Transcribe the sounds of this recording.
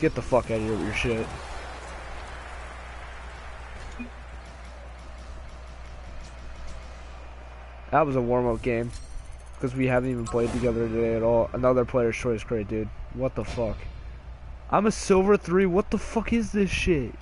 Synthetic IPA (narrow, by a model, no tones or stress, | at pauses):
ɡ̥ɛt̪̚ðəfʌkɨɾə˞vjə˞ʃɪt̚ | ðət̚wʌzəwɔɹmʌp̚ɡ̥ẽɪ̃m | kʰʌzwihævn̩tivn̩pʰl̥eɪd̚tʰɨɡɛðə˞ɾɨdeɪɨɾɔlˠə̰nʌðə˞pʰl̥eɪə˞z̥t͡ʃʰɔɪskʰɹ̥eɪt̚d̥ɪd̚wʌt̪̚ðəfʌk | ʔã̰ɪ̃mɨsɪʊvə˞θɹiwʌt̪̚ðəfʌkɪzðɪsʃɪt